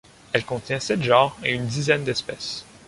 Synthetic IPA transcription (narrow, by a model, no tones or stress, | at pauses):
ɛlkɔ̃t̪jɛ̃sɛt̪ʒɑ̃ːʁeynd̪izɛnd̪ɛspɛs